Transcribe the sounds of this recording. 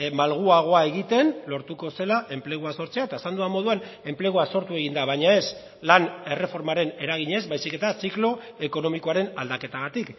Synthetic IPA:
malɣ̞uaɣ̞o̞ae̞ɣ̞it̪e̞nlo̞ɾt̪uko̞se̞laʔe̞mple̞ɣ̞uaso̞ɾt͡seaet̪aesand̪uamo̞ð̞uane̞mple̞ɣ̞uaso̞ɾt̪ue̞ɣind̪aβ̞aɲae̞s | lane̞re̞fo̞ɾmaɾe̞ne̞ɾaɣiɲe̞zbajsike̞t̪asiklo̞ | e̞ko̞no̞miko̞aɾe̞nald̪ake̞t̪aɣ̞at̪ik

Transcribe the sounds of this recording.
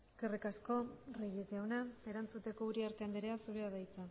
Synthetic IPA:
eske̞rikasko̞reʝiziawnae̞ɾant͡sut̪e̞ko̞uɾiaɾt̪eand̪eɾeasuβeaðajt͡sa

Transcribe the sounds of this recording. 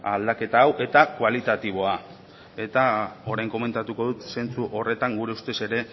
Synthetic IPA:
ald̪ake̞t̪aːwʔe̞t̪akualit̪at̪iβ̞o̞a | e̞t̪ao̞ɾajŋko̞me̞nt̪at̪uko̞ðut̪se̞nt͡suʔo̞re̞t̪aŋɡuɾe̞ust̪e̞se̞ɾe̞

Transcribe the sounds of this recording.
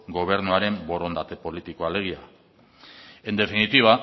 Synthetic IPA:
ɡo̞β̞e̞ɾnuaɾe̞mbo̞ɾo̞nd̪at̪e̞po̞lit̪iko̞ale̞ɣ̞ia | e̞nd̪e̞finit̪iβ̞a

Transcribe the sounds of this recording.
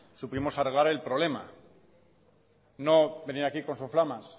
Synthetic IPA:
supimo̞sareɣaɾe̞lpɾole̞ma | no̞be̞niɾakiko̞nsoflamas

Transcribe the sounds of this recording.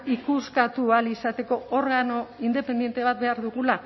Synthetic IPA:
ikuskat̪ualisat̪e̞ko̞oɾɣano̞ind̪e̞pe̞nd̪jent̪e̞β̞at̪̚be̞aɾðuɣula

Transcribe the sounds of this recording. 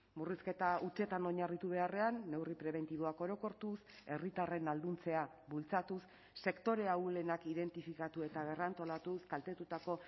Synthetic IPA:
muriske̞t̪aut͡ʃe̞t̪ano̞ɲarit̪uβ̞e̞are̞anːe̞wripɾe̞β̞e̞nt̪iβo̞ako̞ɾo̞ko̞ɾt̪use̞rit̪are̞nald̪unt͡se̞a | βult͡sat̪usː | e̞kt̪o̞ɾe̞awle̞nakiðe̞nt̪ifikat̪ue̞t̪aβ̞e̞rant̪o̞lat̪uskalt̪e̞t̪ut̪ako̞

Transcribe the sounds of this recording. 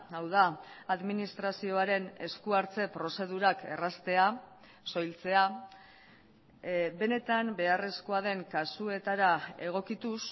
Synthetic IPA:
awð̞aaðminist̪ɾasio̞aɾe̞ne̞̰skuaɾt͡se̞pɾo̞se̞ðuɾake̞̰rast̪e̞a | so̞jlt͡se̞a | be̞ne̞t̪ambe̞are̞sko̞aðe̞ŋkasue̞t̪aɾae̞ɣ̞o̞kit̪us

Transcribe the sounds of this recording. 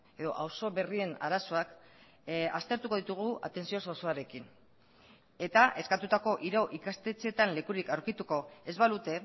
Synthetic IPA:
e̞ðo̞ʔawso̞βerie̞na̰ɾaso̞ak | ast̪e̞ɾt̪uko̞ðit̪uɣ̞ua̰t̪e̞nsio̞sosoaɾe̞kin | e̞t̪aʔe̞skat̪ut̪ako̞ʔiɾoʔikast̪e̞t͡se̞t̪anle̞kuɾikawɾkit̪uko̞e̞zβalut̪e̞

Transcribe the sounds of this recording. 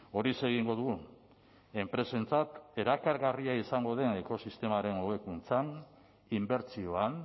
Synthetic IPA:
o̞ɾise̞ɣiŋɡo̞ðuɣu | e̞mpɾe̞se̞nt͡sat̪e̞ɾakaɾɣariaisaŋɡo̞ð̞e̞ne̞ko̞sist̪e̞maɾe̞noɣekunt͡san | imbe̞ɾt͡sio̞an

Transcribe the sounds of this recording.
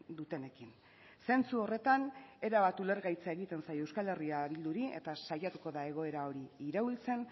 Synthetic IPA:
d̪ut̪e̞ne̞kin | se̞nt͡suo̞re̞t̪ane̞ɾaβat̪ule̞ɾɣajt͡sae̞ɣit̪e̞nsaje̞wskale̞riaβild̪uɾie̞̰t̪asajat̪uko̞ðae̞ɣ̞o̞e̞ɾao̞ɾiːɾault͡se̞n

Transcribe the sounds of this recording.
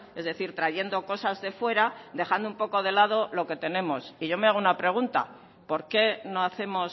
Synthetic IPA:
e̞zðe̞θiɾt̪ɾaʝe̞nd̪o̞ko̞sazðe̞fwe̞ɾad̪e̞xand̪oumpo̞ko̞ð̞e̞lað̞o̞lo̞ke̞t̪e̞nẽ̞mo̞siʝo̞me̞aɣ̞unapɾe̞ɣ̞unt̪a̰ | po̞ɾke̞no̞aθe̞mo̞s

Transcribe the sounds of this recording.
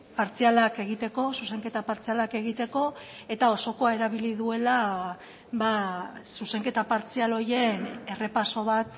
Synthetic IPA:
paɾt͡sialake̞ɣ̞it̪e̞ko̞suse̞ŋke̞t̪apaɾt͡sialake̞ɣ̞it̪e̞ko̞ | e̞t̪ao̞so̞ko̞ae̞ɾaβ̞iliðue̞la | βasuse̞ŋke̞t̪apaɾt͡sialo̞je̞ne̞re̞paso̞β̞at̪

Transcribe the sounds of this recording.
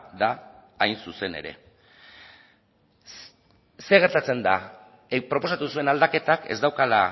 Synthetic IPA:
ðaː | jnsuse̞ne̞̰ɾe̞̰ | se̞ɣ̞eɾt̪at͡se̞nd̪a | pɾo̞po̞sat̪usue̞nald̪ake̞t̪ake̞zd̪awkala

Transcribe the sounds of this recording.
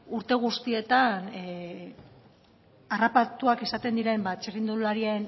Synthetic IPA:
uɾt̪e̞ɣ̞ust̪ie̞t̪an | arapat̪uake̞sat̪e̞nd̪iɾe̞mbat͡ʃerind̪ulaɾien

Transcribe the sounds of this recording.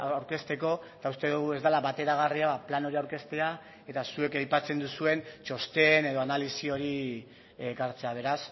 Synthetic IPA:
awɾke̞st̪e̞ko̞t̪aust̪e̞ðuɣue̞zd̪alaβat̪e̞ɾaɣ̞ariaβaplano̞ɾiawɾke̞st̪e̞a | e̞t̪asue̞kajpat͡se̞nd̪usue̞nt͡ʃo̞st̪e̞ne̞ð̞o̞analisio̞ɾi | ɣaɾt͡se̞aβ̞e̞ɾas

